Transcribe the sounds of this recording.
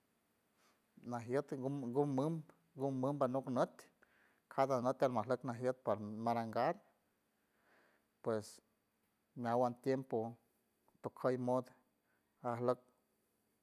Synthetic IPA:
naɦjət̪ɡumɨm | ɡumːɨmbanuknət̪ | kʰad̪anət̪ʲalmaɦləknaɦjət̪̚paɾmaɾaŋɡaɾ | pwes | nawant̪jempo | t̪okʰəjmod̪ | ahlək̚

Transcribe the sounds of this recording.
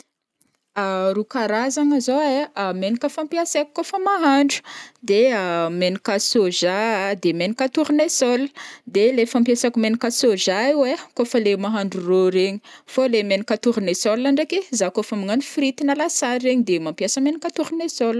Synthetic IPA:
aɾukaɾazaŋazoeamenikəfampjasakkːofəmaɦaɳɖ͡ʐu̥d̪eamenikasoʒad̪emenikat̪uɾinesɔlə̥d̪elefampiasakumenikasoʒaiwekofəlemaɦaɳɖ͡ʐuroɾeɲi̥folemenikat̪uɾinesɔlaɳɖ͡ʐekezakofamiŋanufɾit̪inalasaɾːeɲid̪emampjasəmenikat̪uɾunesɔlə

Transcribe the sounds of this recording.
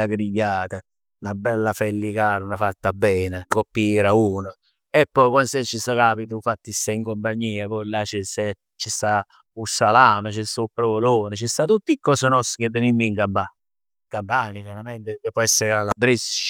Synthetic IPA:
aɡɾiɡjaːt̪a | nabɛlːafɛlːikaːɾanafat̪ːabːɛːnekopːieɾauːno | epːɔjkwansɛt͡ʃːist̪akaːpit̪uɱfat̪ːist̪aiŋkompaɲːiːapɔlːat͡ʃɛsɛ | t͡ʃist̪a | usːalaːmat͡ʃɛst̪aupːɾovoloːnɪt͡ʃist̪at̪ut̪ːikːɔsənɔsked̪ːenimːiŋkampa | ŋkampaːniseɾamɛnt̪ekepːɔɛsːeɾalab̪ɾis

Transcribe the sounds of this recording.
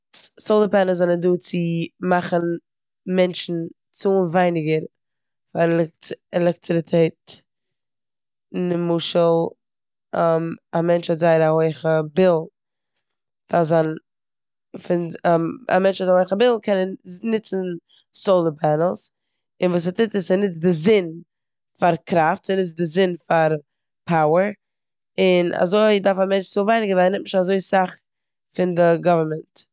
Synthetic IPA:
solˠəpɛnl̩ˠzanənduːt͡sɪmaχən̩ | mɛnt͡ʃn̩ | t͡suvaɪnɪɡəɾ | falɛkɛlˠɛk̚tɪɾɪtʰeɪt | nɪmuːʃəlˠ | amamɛnt͡ʃazaɪɾahoɪχəbɪlˠ | fazan | fɪna̰mɛnt͡ʃvɔtahoɪχəbɪlˠkʰɛnənɪt͡sn̩ | soʊlˠəbɛnəl̩ˠs | ɪnvuːs̬atɪtɪssɪnɪt͡sdɪzɪn | faɾkɾaftsɪnɪt͡sdɪzɪnfaɾ | pʰaʊəɾ | ɪna̰zoɪdaɾfamɛnt͡ʃt͡suvaɪnɪɡəvaɪnɪɪʃazoɪsaχ | fɪndɪɡɔvəɾmɛnt

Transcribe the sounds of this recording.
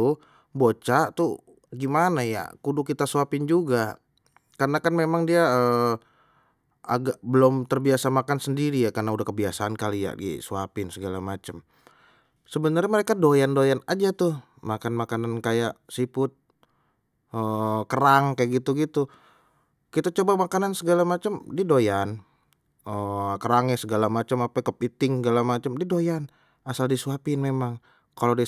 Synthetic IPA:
u | bot͡ʃat̪u | ɡimanaja̰kudʊkit̪asuapɪnd͡ʒuɡa | karənakanmemaŋdiaə | aɡak̚bəlʊmt̪ərbiasamakansəndiɾijakarnaudahkəbiasaankalija̰ḭsuapɪnsəɡalamat͡ʃəm | səbənarɲaməɾekadojandojanad͡ʒat̪ʊh | makanmakanankajaʔsipʊt̪̚ | əkəɾaŋkajaɡit̪uɡit̪u | kit̪at͡ʃobamakanansəɡalamat͡ʃəmdidojan | əkəɾaŋɲasəɡalamat͡ʃəmapakəp̚it̪ɪŋsəɡalamat͡ʃəmdidojan | asaldisuapɪnmemaŋ | kalodi

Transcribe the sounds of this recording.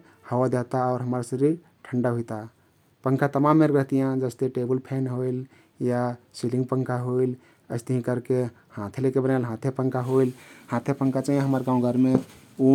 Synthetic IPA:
həwad̪et̪aɔʊɾɦəmɾsəɾi | ʈʰəɳɖaɦuit̪a | pəŋkʰat̪əmamːeɾɾəɦt̪ijãd͡ʒəst̪eʈebəlpʰenɦoil | jasilĩŋɡpəŋkʰaɦoil | əɪst̪əɦĩkəɾke | hãt̪ʰelekebənalɦãt̪ʰepəŋkʰaɦoilhãt̪ʰepəŋkʰat͡ʃaɦiẽɦəməɾɡãũɡʱəɾme | u

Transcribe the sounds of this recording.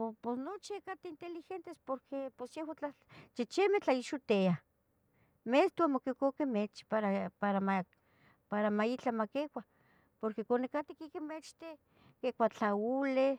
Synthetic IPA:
posnot͡ʃiakat̪eint̪elixent̪espoɾkʰeposjehwat͡ɬa | t͡ʃet͡ʃemet͡ɬaiʃut̪ea | mest̪uamokekokemet͡ʃpaɾapaɾama | paɾamait͡ɬamakekʷa | poɾkekonekat̪ikikemet͡ʃt̪e | kekʷat͡ɬaule

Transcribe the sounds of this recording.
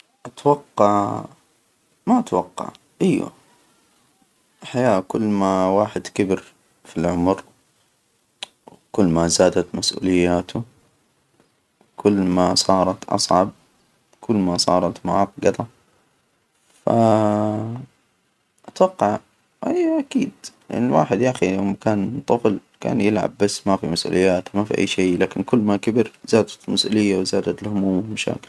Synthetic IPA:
ʔat̪wɑqːɑʕ | maʔat̪wɑqːɑ̰ʕ | ʔajːwa̰ | ħajaːkʊlːmawaːħɪd̪kɪbɪɾ | filʕʊmɾ | w | kʊlːmazaːd̪at̪masʔṵːlɪjːaːt̪ʰʊ | kʊlːmasˤɑːɾˤɑt̪ʔɑ̰sˤʕɑb̚ | kʰʊlːmasˤɑ̰ːɾˤɑt̪maʕɑːt̪ɡɑt̪ˤɑ | fa̰ | ʔat̪wɑqːɑʕ | ʔajʔakiːd̪lʔa̰nɪlwaːħɪd̪jaxijoːmkaːnt̪ˤːɑfɨlka̰ːnjɪlʕa̰bːasːmafimasʔṵːlɪjːaːt̪mafiʔa̰jːʃeːlaːkɪnkʊlːmakabɪɾzaːd̪at̪lmasʔṵːlɪjːawzaːd̪at̪ɪlhʊmuːmɪmaʃa̰ːkɪ̥l

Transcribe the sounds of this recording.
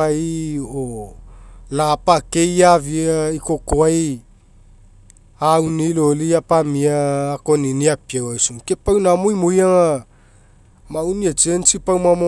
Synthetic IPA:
ajo | lapake̞javiaikokoaj | awniloliapamiaːkoniniapiawajsuŋkepawnamojmojaŋa | mawniat͡ʃent͡ʃipawmamo

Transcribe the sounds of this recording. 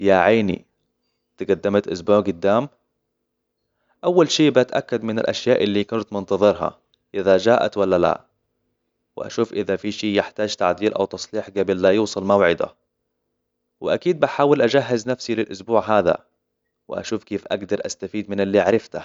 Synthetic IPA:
jaʕaːnḭ | t̪ɪɡad̪ːɪmat̪ʔʊsbuːʕɡʊd̪ːaːm | ʔawːalʃeːbɪʔat̪ʔakːad̪mɪna̰lʔaʃjaːʔɪlːikʊnt̪mʊnt̪ɑðˤɨɾɦa̰ | ʔɪðad͡ʒaːʔa̰t̪walːala̰ | wɪ̰ʔa̰ʃuːfʔɪðafiʃiːjɪħt̪aːd͡ʒt̪aʕd̪iːɾʔa̰wt̪ɑsˤliːħɡabɪllajuːsˤɑlmawʕɪd̪a̰ | wɪʔakiːd̪̚baħaːwɪlʔad͡ʒaɦːaznafsilɪlʔʊsbuːʕɦaːða̰ | wɪ̰ʔa̰ʃuːfkeːfʔaɡd̪ɑɾˤʔa̰st̪afiːd̪mɪnɪlːiʕɾˤɪft̪a

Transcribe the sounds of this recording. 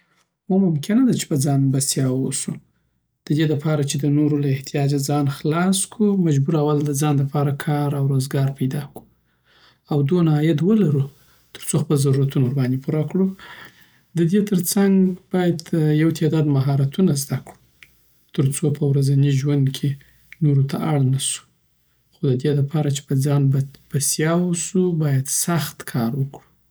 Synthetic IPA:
womʊmkʰɪnad̪at͡ʃe̥pəd͡zɑnbast̪jɑwosu | d̪̥əd̪eləpʰɑɾat͡ʃed̪ənoɾolaɪht̪ʰijɑd͡ʒad͡zɑnxlɑskʰumad͡ʒbuɾawald̪əd͡zɑnləpʰɑɾakʰɑɾawɾozɡɑɾpajd̪ɑku̥ | awd̪onaɑjat̪wəlaɾu | t̪ə̥ɾt͡soxpəlzaɾuɾat̪unoɾbɑnd̪epʰuɾakɽu | d̪əd̪et̪ʰəɾt͡saŋɡb̥ɑjad̪jawt̪ʰed̪ɑd̪maɦɑɾat̪unazd̪akɽu | t̪əɾt͡sopʰəwɾazaniʒwand̪kʰe | noɾot̪ʰaʔaɽnasu̥ | xod̪əd̪ed̪əpʰɑɾat͡ʃe̥pəd͡zɑnbb̥asjɑwəsubɑjad̪saxt̪kʰɑɾwəkɽu

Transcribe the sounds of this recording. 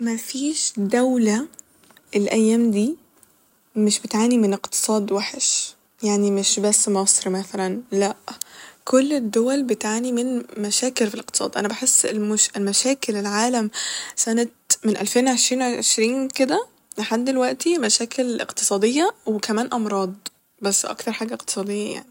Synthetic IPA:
mæfiːʃd̪æwlæ | elʔæjːæːmd̪iː | meʃbet̪ʕaːnimeneqt̪e̥sˤɑːd̪waħeʃ | jaʕnimeʃbæsːmɑsˤɾimæθælænlæʔkʰolːed̪ːowælbet̪ʕaːnimenmæʃæːkelfileq̚t̪e̥sˤɑ̰ːd̪ˤʔæ̰næbaħesːelmʃlmæʃæːkelelʕaːlæmsænæt̪̚menʔælfeːnwʕeʃɾiːnʕʕeʃɾiːnked̪æ | leħad̪ːelwæʔt̪imæʃæːkʰelʔḛqt̪ɨ̥sˤɑːd̪ejːɑwekæmæːnʔɑmɾˤɑːd̪ˤ | bæsːʔɑ̰k̚t̪ɑɾˤħaːɡæʔeq̚t̪sˤɑːd̪ejːæja̰ʕni

